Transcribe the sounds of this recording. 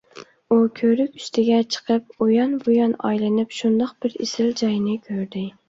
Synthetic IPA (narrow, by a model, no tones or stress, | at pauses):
ukʲʰøɾykʲy̥st̪ʰɪɡʲɛt͡ʃʰə̥qʰəp̚ojɑnbojɑnɑ̰jlɪnɪpʃund̪ɑqb̥ɪɾesɪld͡ʒɑjnɪkʲʰøɾd̪ɪ